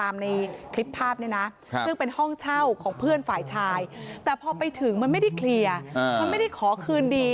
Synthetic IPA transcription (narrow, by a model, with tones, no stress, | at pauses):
aː˧mna˧jkʰli˦˥pʰːaː˥˩p̚ni˥˩na˦˥ | sɯ˥˩ŋpe˧nhɔ˥˩ŋt͡ɕʰa˥˩wkʰɔː˩˦ŋpʰɯ˥˩ənfaː˨˩jt͡ɕʰaː˧jt̪ɛː˨˩pʰɔː˧pa˧jt̪ʰɯ˩˦ŋma˧nma˥˩jda˥˩jkʰli˧ɐ˧ma˧nma˥˩jda˥˩jkʰɔː˩˦kʰɯː˧ndiː˧